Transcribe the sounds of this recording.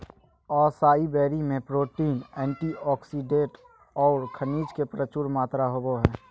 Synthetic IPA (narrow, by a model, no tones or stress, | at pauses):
ɔːsaːibɛːɾimẽpɾoːʈiːnɛ̃ːɳʈiɔːksiɖẽʈ | ɔːɾkʰəniːd͡ʒkepɾət͡ʃuɾmaːt̪ɾaɦoːboɦɛː